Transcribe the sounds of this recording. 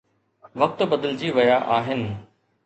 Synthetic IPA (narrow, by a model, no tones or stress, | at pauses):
ʋɐk̚t̪bɐd̪əld͡ʑiːʋɐjaʔaːɦɪnɪ̆